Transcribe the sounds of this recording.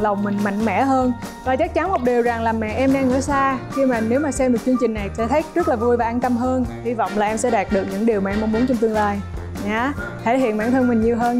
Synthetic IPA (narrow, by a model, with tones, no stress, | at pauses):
lə˨˩wŋ͡mmï˨˩ŋ̟ma̰˧˨jŋ̟mɛ̰˧˥ɦəː˧nkɔː˨˩t͡ɕa˦˥k̚t͡ɕa˨˦nmo˨˩t̚ɗi˨˩əwza˨˩ŋlaː˨˩mɛ̰˧˨ʔɛ˧mɗaː˧ŋɨ̰˧˥əsaː˧xi˧maː˨˩ne˨˦wmaː˨˩sɛ˧mːo˨˩t̚t͡ɕɨ˧əŋt͡ɕï˨˩ŋ̟na˨˩jsɛ̰˧˥t̪ʰə˨˦˥jk̚zɨ˦˥t̚laː˨˩vu˧jvaː˨˩ʔaː˧nt̪ə˧mɦəː˧nhi˧vɔ̰˧˨wŋ͡mlaː˨˩ʔɛ˧msɛ̰˧˥ɗaː˨˩t̚ɗɨ˨˩ək̚ɲɨ̰˧˥ŋɗi˨˩əwmaː˨ɛ˧mʔŋ͡mmu˨˦ŋt͡ɕɔ˧ŋ͡mt̪ɨ˧ŋlaː˧j | ɲaː˨˦ | t̪ʰe˧˩hḭ˧˨ənmɓaː˧˩nt̪ʰə˧nmï˨˩ŋɲi˨˩əwɦəː˧n